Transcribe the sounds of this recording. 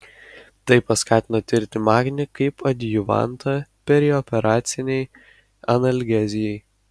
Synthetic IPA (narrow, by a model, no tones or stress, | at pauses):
t̪ɐɪpɐskɑːt̪ʲɪnot̪ʲɪɾʲt̪ʲɪmɑːɡʲnʲɪkɐɪpɐd̪ʲjʊʋɑ̰nt̪ɐpʲɛɾʲɪɔpʲɛɾɑːt̪ʲsʲɪnʲɛɪ | ɐnɐlʲɡʲæzʲɪjɛɪ